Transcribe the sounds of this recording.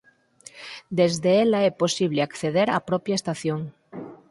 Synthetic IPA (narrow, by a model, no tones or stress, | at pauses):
d̪ezðeelaeposiβ̞leakθeðeɾa̰pɾɔpjaest̪aθjoŋ